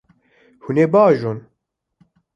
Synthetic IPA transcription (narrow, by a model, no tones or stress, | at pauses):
huneːbaːʒon